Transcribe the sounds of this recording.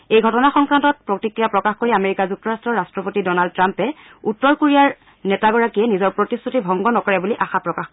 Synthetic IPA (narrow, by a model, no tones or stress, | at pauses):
ejɡʱɔtɔnaxɔŋkɹantɔt̚pɹotikɹijapɹɔkaxkoɹiameɹikazuk̚tɔɹastɹɔɹastɹɔpotidɔnald̚tɹampɛ | utːɔɹkoɹijaɹ | nɛtaɡɔɹakijɛnizɔɹpɹotistʰutibʱɔŋɡɔnɔkɔɹɛbuliʔaxapɹɔkax